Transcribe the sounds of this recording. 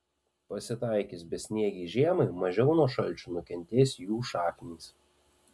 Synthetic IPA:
pɐsʲɪt̪ɐˑɪkʲɪsbʲɛt̪sʲnʲiɛɡʲɛɪʒʲiɛmɐɪmɐʒʲɛʊnuɔʃɐlʲt͡ʃʲunʊkʲɛnʲt̪ʲeːsʲjuːʃɑːkʲnʲiːs

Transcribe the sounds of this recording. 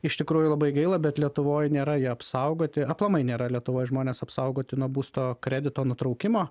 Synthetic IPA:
ɪʃt̪ʲɪkɾuːjʊlˠɐbɐɪɡɐɪlˠɐbʲɛt̪lʲiɛt̪ʊʋoːjnʲeːɾɐjiɛɐpsɐʊɡoːt̪ʲɪɐplˠɐmɐɪnʲeːɾɐlʲiɛt̪ʊʋoːjʒmoːnʲeːsɐpsɐʊɡoːt̪ʲɪnuɔbuːst̪oːkɾʲæːd̪ʲɪt̪oːnʊt̪ɾɐʊkʲɪmoː

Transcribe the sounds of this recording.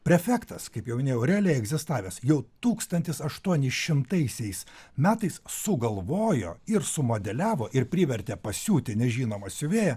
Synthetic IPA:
pʲɾʲɛfʲæːkt̪ɐskɐɪpjɛʊmʲɪnʲeːjɛʊɾʲɛɐlʲeɛɡzʲɪst̪ɑːʋʲeːsjɛʊt̪uːkst̪ɐnʲt̪ʲɪsɐʃt̪uɔnʲɪsʃʲɪmt̪ɐɪsʲɛɪsmʲæːt̪ɐɪssʊɡɐlˠʋoːjo̰ːɪɾsʊmoːd̪ʲɛlʲæːʋoːʔɪɾpʲɾʲiːʋʲɛɾʲt̪ʲeːpɐsʲuːt̪ʲɪnʲɛʒʲiːnoːmɐsʲʊʋʲeːjɛ

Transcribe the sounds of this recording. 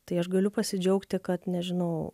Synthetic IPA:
t̪ɐɪɐʃɡɐlʲʊpɐsʲɪd͡ʒʲɛʊkt̪ʲɪkɐt̪nʲɛʒʲɪnɐʊ

